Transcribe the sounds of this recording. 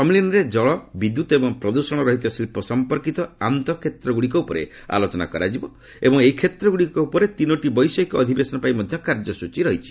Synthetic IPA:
pɔmilinɔɾed͡ʒɔɭɔbid̪jut̪ɔebɔŋpɾɔd̪usɔɽ̃ɔɾɔɦit̪ɔsilipɔsɔmpɔɾkit̪ɔant̪ɔkʰet̪ɾɔɡuɽikɔupɔɾḛ | a̰lot͡ʃɔna̰kɔɾad͡ʒibɔ | ebɔŋeɦikʰet̪ɾɔɡuɽikɔupɔɾet̪inɔʈibɔjsɔikɔɔd̪ʱibesɔnɔpaimɔd̪ʱjɔkaɾd͡ʒɔsut͡ʃiɾɔɦit͡ʃʰi̥

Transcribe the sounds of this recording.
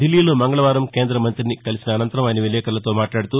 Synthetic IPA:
d̪ilːiːloːmɐŋɡɐɭɐʋaːɾɐmke̞ːnd̪ɾɐmɐnt̪ɾinikɐlisinɐːnɐnt̪ɐɾɐmaːjinɐʋilɛːkɐɾlɐt̪o̞ːmaːʈlaːɽut̪uː

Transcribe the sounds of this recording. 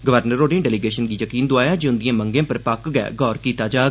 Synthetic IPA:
ɡəʋəɾnəɾoːɖẽːɖɛːliːɡeːʃənɡiːjəkiːnd̪ʊaːjaːd͡ʒeʊnd̪ijãːməŋɡẽːpəɾpakɡɛɛ̰ːɡɔːɾkiːt̪aːd͡ʒaː

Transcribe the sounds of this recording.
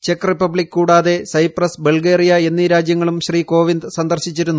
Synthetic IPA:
t͡ɕe̞kripːɐbɭikːkuːɽaːðe̞sɐjprɐsbe̞ɭɡeːrijɐenːiɾaːd͡ʑjɐŋːɐɭumɕriːko̞ːʋind̪ɨsɐnd̪ɐrɕit͡ɕːiɾunːu

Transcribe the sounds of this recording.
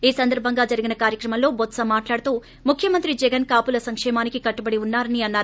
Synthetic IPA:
iːsɐnd̪ɐɾbʱɐŋɡaːd͡ʒɐɾiɡinɐkaːɾjɐkɾɐmɐmlo̞ːbɔt̪sɐmaːʈlaːɽut̪uː | mukʰjɐmɐnt̪ɾid͡ʒɛɡɐnkaːpulɐsɐŋkʂɛːmaːnikikɐʈːubɐɽiunːaːɾɐniɐnːaːɾu

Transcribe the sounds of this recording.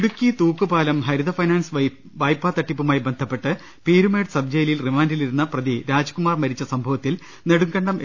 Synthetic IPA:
ɽukʲːit̪uːkːɨbaːlɐmɦɐɾuðɐfɐjnaːns | ʋɐjpːaːt̪ːɐʈːipːumaːjibe̞nd̪ʱɐpːe̞ʈːɨ | piːɾume̞ːɖsɐb̚d͡ʑɐjlilrimaːndiliɾunːɐprɐðiɾaːd͡ʑɐkumaːrmɐɾit͡ɕːɐsɐmbʱɐʋɐt̪ːil | neɽuŋɡɐɳɖɐm

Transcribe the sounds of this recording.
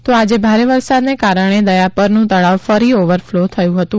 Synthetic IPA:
t̪oad͡ʒebʱaɾeʋəɾsad̪nekaɾəɳ̃ed̪əjapəɾnũt̪əɭaʋfəɾioʋəɾflot̪ʰəjũɦət̪ũ

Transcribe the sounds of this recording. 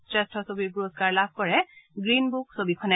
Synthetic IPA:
sɹɛstʰɔsobiɹpuɹozkaɹlabʱkɔɹɛɡɹinbuk̚sobikʰɔnɛ

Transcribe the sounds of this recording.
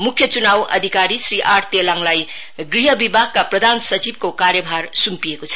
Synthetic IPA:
mukʰːjʌt͡sunawʌ̰d̪ʱikaɾisɾiʔaɾt̪jelaŋlaj | ɡɾiɦʌbibʱaɡ̚kapɾʌd̪ʱansʌt͡sib̚kokaɾjʌbʱaɾsumpiekot͡sʰʌ̥

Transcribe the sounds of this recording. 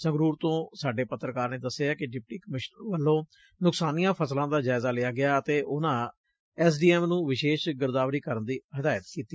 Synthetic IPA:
sə̃ŋɡɾuːɾt̪õːsaːɖeːpət̪ːɾəkaːɾneːd̪əsːeːaːkɪɖɪp̚ʈiːkəmɪʃnʋəlːõː | nʊksaːnijãːpʰəslãːd̪aːd͡ʒaːɪzaːlɪaːɡɪaːət̪eːʔʊnãː | ɛːs̬ɖiːɛːmnũːʋɪʃeːʃɡəɾd̪aːʋɾiːkəɾənd̪iːɦəd̪aːjət̪kiːt̪ːiː

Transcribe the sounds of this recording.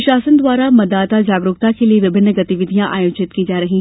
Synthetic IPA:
ʃaːsənd̪ʋwaːɾamɐd̪ːaːt̪ad͡ʒaːɡɾʊɡ̚t̪akelieʋɪbʱɪnːəɡɐt̪iʋɪd̪ʱijãʔaːjoːd͡ʒɪt̪kiːd͡ʒaːɾɐɦiː

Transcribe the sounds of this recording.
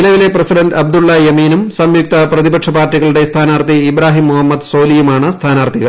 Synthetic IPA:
lɐʋileprɐsiɖɐnɖɐb̚d̪uɭːɐjɐmiːnumsɐmjuk̚t̪ɐprɐðibɐkʂɐbaːrtːiɣɐɭuɽe̞st̪ʰaːnaːrt̪iibɾaːɦimːuhɐmːɐd̪so̞ːlijumaːɳɨst̪ʰaːnaːɾt̪ʰiɣɐɭ

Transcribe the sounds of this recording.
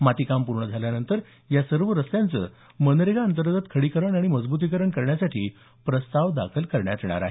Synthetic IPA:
mat̪iːkampuɾɳəd͡zʱaljanənt̪əɾ | jasəɾʋəɾəst̪jãnt͡sə̰ː | mənɾeɡaənt̪əɾɡ̪ət̪kʰəɽiːkəɾəɳaɽ̃iməd͡zbut̪̬iːkəɾəɳkəɾɳjasaʈʰḭː | pɾəst̪aʋd̪akʰəlkəɾɳjat̪ɳ̃a̰ɾa̰ɦe

